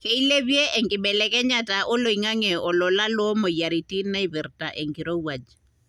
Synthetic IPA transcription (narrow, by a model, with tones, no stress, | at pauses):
kɛ˦i˦le˦βje˦ʔɛ˨ŋɡɪ˨ɓɛ˨lɛ˨kɛ˦ɲa˦ta˨ʔɔ˦lo˨i˨ŋa˦ŋɛ˨ɔ˨lɔ˨la˦lɔ˦mɔ˨ja˨ɾi˨ti˦na˦i˦βɛ˨rta˨ʔɛ˨ŋɡɪ˨ɾo˦wa˨d͡ʒ